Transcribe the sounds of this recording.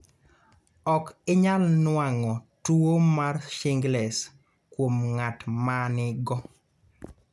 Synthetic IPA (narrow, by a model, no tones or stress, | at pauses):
ɔkɪɲalnwaŋɔtuomarʃɪŋɡlɛs | kwomŋatmanɪɡɔ